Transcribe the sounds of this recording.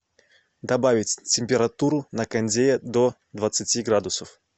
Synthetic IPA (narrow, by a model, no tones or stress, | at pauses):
d̪ɐbavʲɪtʲtʲɪmʲpʲɪɾɐt̪uɾʊnəkɐnʲdʲejəd̪o | d̪vət̪sɨtʲiɡɾad̪ʊsəf